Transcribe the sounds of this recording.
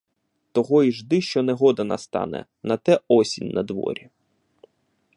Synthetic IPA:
t̪ɔɦɔiʒd̪ɪʃt͡ʃɔnɛɦɔd̪ɐnɐ̰st̪ɑ̰nɛ̰ | nɐt̪ɛɔsʲinʲnɐd̪ʋɔ̰ɾʲi

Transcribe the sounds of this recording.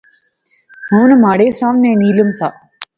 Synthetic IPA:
ɦunmaːɽeːsãːʋnẽːniːləmsaː

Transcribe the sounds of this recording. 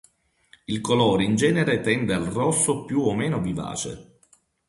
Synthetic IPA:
ilkolɔːɾeind͡ʒɛːneɾet̪ɛnd̪ealrɔsːopjuomːeːnoviva̰ːt͡ʃḛ

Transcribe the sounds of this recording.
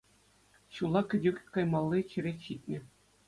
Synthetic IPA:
ɕulˠɑkʲɘ̆dʲɘkʲkɑjmɑlˠːiɕɘ̆ɾʲetʲɕit̪ʲnʲɘ̆

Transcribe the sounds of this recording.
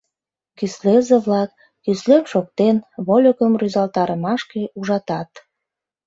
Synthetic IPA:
kyslezeβlɑkː | yslemʃok̚t̪enβolʲokəmryzɑlt̪ɑɾəmɑʃkeuʒɑt̪ɑt̪

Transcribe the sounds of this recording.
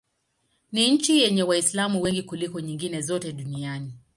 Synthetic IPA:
niɲ̩t͡ʃijɛɲɛwaislamuwɛŋɡikulikɔɲiŋɡinɛzɔtɛɗuniani

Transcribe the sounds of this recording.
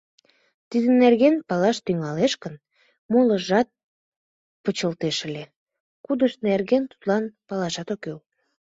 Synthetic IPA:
t̪id̪ənerɣenpɑlɑʃt̪yŋɑleʃkən | moləʒɑt̪̚ | pət͡ɕəlt̪eʃəlʲe | kud̪əʃnerɣent̪u̥t̪lɑnpɑlɑʃɑt̪okew

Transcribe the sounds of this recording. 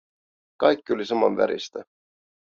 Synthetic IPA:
kɑjkːolʲisɑmɑmvæ̰ɾʔḭst̪e

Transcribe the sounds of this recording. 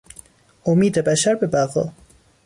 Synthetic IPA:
ʔomiːd̪ebæʃæɾbebæɣɒ

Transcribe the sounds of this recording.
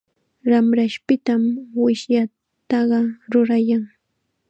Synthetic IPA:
ɾamɾaʃpɪt̪amwɪʃja | t̪ɑɢɑɾʊɾajaŋ

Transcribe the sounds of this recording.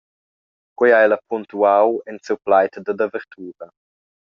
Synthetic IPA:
kwiajlɐpʰunt̪uawɛnsiwplajt̪d̪ad̪avəɾt̪ʰuːɾɐ

